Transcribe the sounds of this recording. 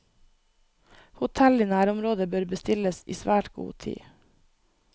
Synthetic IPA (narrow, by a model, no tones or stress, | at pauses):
hʊt̪ʰɛlɪiːnæːɾʊmɾoːd̪əbøːɾbəst̪ɪləsḭːsʋæːʈɡṵːt̪ʰḭː